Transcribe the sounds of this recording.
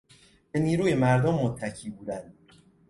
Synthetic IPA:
b̥e̞niːɾuːje̞mæɾd̪omːot̪ʰːæcʰiːbuːd̪ænd̪̥

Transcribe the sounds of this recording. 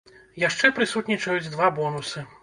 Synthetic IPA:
jaʂt͡ʂɛpɾɨsut̪nʲit͡ʂɐjud͡zʲd̪vabɔnusɨ

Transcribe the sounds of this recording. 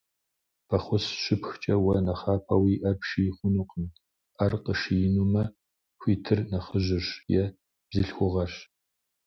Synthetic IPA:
pʰɐχʷʊsɕɪpxt͡ʃʼɐwɐnɐχaːpʰɐwiːʔɐrpʰʃiːχʷʊnuqn | ʔɐrqəʃijɪnumɐ | xʷiːtʰɨrnɐχəʒʷɪɕjɛ | b̥zɨɬxʷʊʁɐɕ

